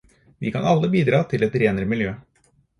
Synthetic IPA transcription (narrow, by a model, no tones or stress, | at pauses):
ʋɪ̰ːkʰɑnɑlːəbiːd̪ɾɑːt̪ʰɪlɛt̪ɾeːnəɾəmɪljøː